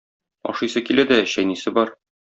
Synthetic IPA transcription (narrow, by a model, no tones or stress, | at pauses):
ɒ̰ʃɤ̆jsɤkilæd̪æɕæjnisɘbɒɾ